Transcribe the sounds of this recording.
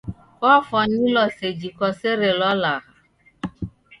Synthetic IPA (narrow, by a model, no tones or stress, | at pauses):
kɔfɔnilɔsed͡ʒikɔseɾelɔlaɦa